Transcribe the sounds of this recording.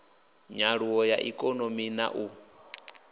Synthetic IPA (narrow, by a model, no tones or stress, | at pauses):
ɲaɺuwɔjaʔḭkʼɔnomina̰ʔu